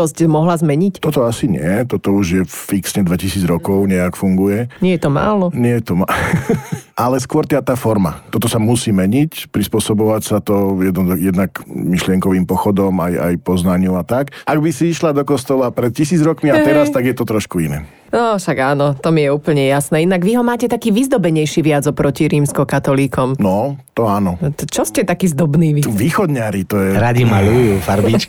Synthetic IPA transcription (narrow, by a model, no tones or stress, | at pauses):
ɔscmɔɦlazmɛɲict̪ɔt̪ɔasiɲɪɛt̪ɔt̪ɔuʒjɛfiksɲɛd̪ʋɛcisiːd͡zɾɔkɔʊɲɛakfuŋɡujɛɲɪɛjɛt̪ɔma̰ːlɔɲɪɛjɛt̪ɔma | ʔalɛskʊɔɾt̪ɪaːt̪aːfɔɾma̰t̪ɔt̪ɔsamusiːmɛɲicpɾispʊɔsɔbɔʋacsat̪ɔjɛd̪nɔzajɛd̪nakmiʃlɪɛŋkɔʋiːmpɔxɔd̪ɔmaja̰jpɔznaɲuat̪akʔaɡbisiiʃlad̪ɔkɔst̪ɔlapɾɛt̪cisiːd͡zɾɔkmiat̪ɛɾast̪aɡjɛt̪ɔt̪ɾɔʃkuinɛ̰ | nɔʃaɡaːnɔt̪ɔmijɛuːpl̩ɲɛjasnɛːinaɡʋiɦɔmaːcɛt̪akiːʋizd̪ɔbɛɲɛjʃiʋɪad͡zɔpɾɔciɾiːmskɔkat̪ɔliːkɔmnɔt̪ɔaːnɔt͡ʃɔscɛt̪akiːzd̪ɔbniːʋiʋiːxɔd̪ɲaɾit̪ɔjɛɾaɟimalujuːfaɾbit͡ʃk